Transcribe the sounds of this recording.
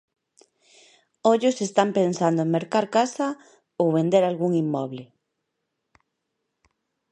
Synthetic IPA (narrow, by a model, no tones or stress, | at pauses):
oʎʊsest̪ampensand̪omeɾkaɾkasa | owβend̪eɾalɣuŋimːɔβlɪ